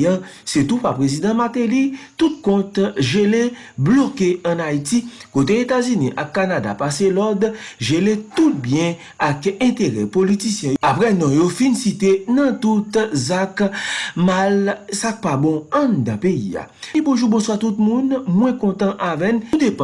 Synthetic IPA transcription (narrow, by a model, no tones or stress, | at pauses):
ã | set̪upapʁezid̪ãmat̪elit̪ut̪̚kɔ̃t̪ʒele | blokeɐ̃nait̪ikot̪̬eet̪azynĩʔakːanad̪a̰paselɔd̪ʒelet̪ut̪̚bjɛ̃ | akɛ̃t̪eʁɛ̰polit̪isjɛ̃apʁɛnɔ̃jofinsit̪enɐ̃t̪ut̪zakmalsak̚pabɔ̃ãnd̪ãpeḭa̰ | ipuʒubɔ̃swat̪ut̪̚mũnmwɛ̃kɔ̃t̪ãʔavɛ̃nud̪ep